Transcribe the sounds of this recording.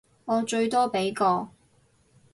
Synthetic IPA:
ŋɔː˨˧t͡ʃɵ˧ɥt̪ɔː˥pe˨˥jkɔː˧

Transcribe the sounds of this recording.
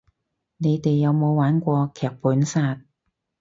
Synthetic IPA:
ne˨˧jt̪e˨jːɐ˨˧wmo˨˧wwaː˨˥nkʷɔː˧kʰɛː˨k̚puː˨˥nsaː˧t̚

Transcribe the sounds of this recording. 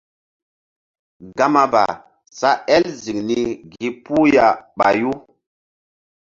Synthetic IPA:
ɡa˦ma˦ba̰˨ | sa˦ɛ˦lzi˨ŋni˦ɡi˦pu˦ja˨ɓa̰˨ju˦

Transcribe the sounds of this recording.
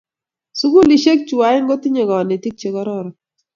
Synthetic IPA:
su˦ɡu˦li˨ʃe˦k̚t͡ʃu˨wa˨˦ɪ˦ŋɡo˦ti˦ɲe˨ɡɔ˨ne˨ti˦k̚t͡ʃe˨kɔ˦ɾɔ˦ɾɔ˨

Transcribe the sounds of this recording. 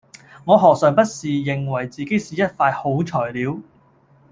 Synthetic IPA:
ŋɔː˨˧ɦɔː˨k̚sœː˨˩ŋpɐ˥t̚siː˨jɪ˨ŋwɐ˨˩jt͡siː˨ke˨˥jsiː˨˥jɐ˥t̚faː˧jho˨˥wt͡ʃʰɔː˨˩jliː˨˧˥w

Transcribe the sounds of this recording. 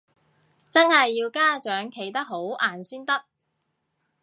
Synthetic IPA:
t͡sɐ˥nhɐ˨jːiː˧wkaː˥t͡ʃœː˨˥ŋkʰe˨˩jt̪ɐ˥k̚ɦo˨˥wʔaː˨˩nsiː˥nt̪ɐ˥k̚

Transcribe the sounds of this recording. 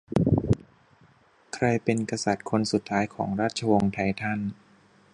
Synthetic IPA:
kʰɾa˧jpe˧nka˧sa˨˩t̪̚kʰo˧nsu˨˩t̪ʰːaː˦˥jkʰɔ̰ː˩˦ŋɾaː˥˩t̪̚t͡ɕʰa˧wo˧ŋt̪ʰa˧jt̪ʰa˥˩n

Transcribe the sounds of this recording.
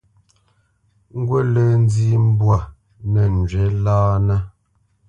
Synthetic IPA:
ŋ̩˦ɡwɛ˦lə˦˨n˦d͡zi˦m̩˦bwa˨ | nɛ˨n̩˨d͡ʒɥɛ˨˦laː˦na˦

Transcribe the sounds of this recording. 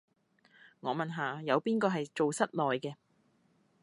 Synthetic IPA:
ŋɔː˨˧mɐ˨nɦaː˨jɐ˨˧wpiː˥nkɔː˧ɦɐ˨jt͡so˨wsɐ˥t̚lɔː˨jkɛː˧

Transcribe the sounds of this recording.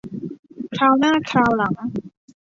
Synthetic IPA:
kʰɾaː˧wnaː˥˩kʰɾaː˧wla˩˦ŋ

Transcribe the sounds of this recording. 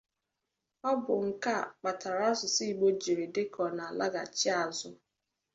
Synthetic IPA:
ɔ˦bʊ˨ŋ̩˨ka˦˨k͡pa˨tʰa˨ɾa˦zʊ˨si˦i˨ɡ͡bo˦d͡ʒi˨ɾe˨de˦kʰɔ˨na˨a˨la˦ɡa̰˨t͡ʃi˦a˨zʊ˦

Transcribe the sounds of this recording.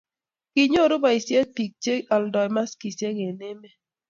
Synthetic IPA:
ki˨ɲo˦˨ɾʊ˦ba˨i˨sjɛ˦pi˨k̚t͡ʃe˦ɔ˨ldɔ˨jma˦ski˨sje˦ŋe˨ne˦me˦

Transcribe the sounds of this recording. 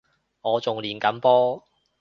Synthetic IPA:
ŋɔː˨˧t͡sʊ˨ŋliː˨nkɐ˨˥mpɔː˥

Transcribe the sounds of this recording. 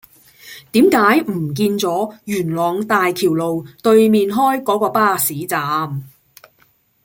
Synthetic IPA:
t̪iː˨˥mkaː˨˥jm̩˨˩k̬iː˧nt͡sɔː˨˥jyː˨˩nlɔː˨ŋt̪aː˨jkʰiː˨˩wlo˨wt̪ɵ˧ɥmiː˨nɦɔː˥jkɔː˨˥kɔː˧paː˥˩siː˨˥t͡saː˨˧m

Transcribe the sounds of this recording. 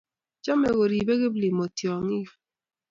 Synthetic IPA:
t͡ʃɔ˦me˨ɣo˨ɾi˨be˦ɣɪ˦bli˨mo˨tjɔ˨ŋi˦f

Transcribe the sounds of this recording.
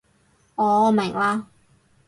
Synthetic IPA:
ɔː˨ɔː˨˧mɛ˨˩ŋlaː˧

